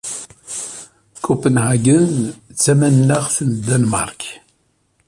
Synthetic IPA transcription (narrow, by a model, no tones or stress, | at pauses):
kupənʕaɡənt͡sːæmænːæʁθənd̪ænmɑ̰ɾˤk